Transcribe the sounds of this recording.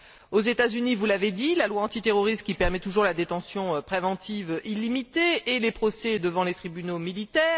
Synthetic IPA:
ozet̪azynivulaved̪ilalwaɑ̃t̪it̪eʁɔʁist̪̚kʲipɛʁmɛt̪uʒuʁlad̪et̪ɑ̃sjɔ̃øpχevɑ̃t̪ʰivʔilimit̪eːlepχɔsɛd̪əvɑ̃let̪χibynomilit̪ɛːʁ

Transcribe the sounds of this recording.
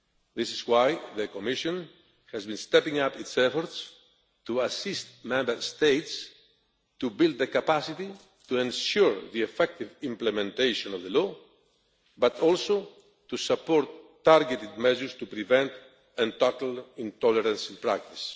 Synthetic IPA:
ðɪsizwajðəkɔmiʃɔ̃n | hæzbĩnst̪ɛpĩŋapitsɛfɔɾt̪s | t̪uasɪst̪mɛ̃mbə˞st̪eɪt̪s | t̪ubilˠd̪̚ðəkapasit̪i | t̪uẽnʃuɹðiefɛk̚t̪ivĩmplemɛ̃nt̪eʃɔ̃nɔvðəlɔ | bat̪ɔlso | t̪usapoɾt̪ː | aɾɡet̪ɪd̪̚mɛʒəɹst̪upɾivɛ̃nt̪ | ãnt̪ɔt̪alĩnt̪ɔləɾãnsĩnpɾak̚t̪is

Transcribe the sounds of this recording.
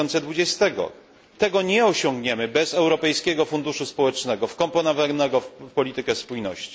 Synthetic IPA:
ɔnt̪sɛd̪vud͡ʑɛst̪ɛɡɔ̰ | t̪ɛɡɔɲɛɔɕɔŋɡɲɛmɘbɛzɛwɾɔpɛjskʲɛɡɔfund̪uʂuspɔwɛt͡ʂnɛɡɔfkɔmpɔnɔvanɛɡɔpɔlʲit̪ɘkɛspujnɔ̰ɕt͡ɕi̥

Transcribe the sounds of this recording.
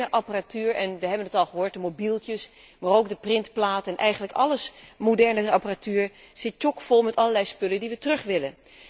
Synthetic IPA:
əʔɑparatyːɹɛnʋəɦɛbənətɑlˠχəɦoːɹt̚dəmobilˠtjəs | maːrowɡ̚dəprɪntplaːtɛnʔɛjχənləkɑ̰ləsmodɛɹnəɑparatyːɹz̥ɪt̚t͡ʃɔkfolˠmɛtɑləɹlɛjspɵlədiʋətrɵχʋɪlən

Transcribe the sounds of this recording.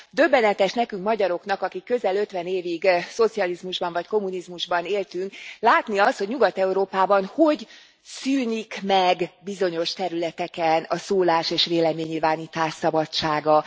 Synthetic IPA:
d̪ø̞bːɛnɛt̪ɛʃnɛkyŋkmɒɟɒɾo̞knɒkɒkikːø̞zɛlø̞t̪ʋɛneːviɡso̞t̪sijɒlizmuʒbɒɱvɒcko̞munizmuʒbɒneːlt̪yŋklaːt̪niɒst̪ho̞ɟɲuɡɒt̪ɛuɾoːpaːbɒnho̞ɟ | syːnikmɛɡbizo̞ɲo̞ʃt̪ɛɾylɛt̪ɛkɛnɒsoːlaːʃeːʃʋeːlɛmeːɲːiːlvaːniːt̪aːʃsɒbɒt͡ʃaːɡɒ

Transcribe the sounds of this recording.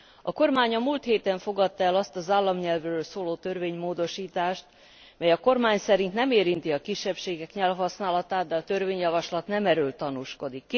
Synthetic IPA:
ɒko̞rmaːɲɒmult̪heːt̪ɛɱfo̞ɡɒt̪ːɒɛlɒst̪ɒzaːlːɒmɲɛlvrøːlsoːloːt̪ø̞rveːɲmoːd̪o̞ʃiːt̪aːʃt̪ | mɛjɒko̞rmaːɲsɛɾint̪nɛmeːɾint̪iɒkiʃːɛpʃeːɡɛkɲɛlɦɒsnaːlɒt̪aːd̪̚d̪ɛɒt̪ø̞rveːɲjɒvɒʃlɒt̪nɛmɛɾøːlt̪ɒnuʃko̞d̪ikː

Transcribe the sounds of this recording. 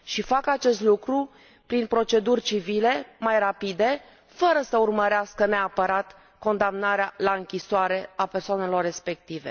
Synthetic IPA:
ʃifakat͡ʃe̞st̪lukɾu | pɾinpɾo̞t͡ʃe̞d̪urʲt͡ʃivile̞majrapid̪e̞ | fəɾəsəurməɾeaskəne̞apəɾat̪ | ko̞nd̪amnaɾealaɨŋkʲisoaɾe̞ape̞rsoane̞lo̞rːe̞spe̞k̚t̪ive̞̰

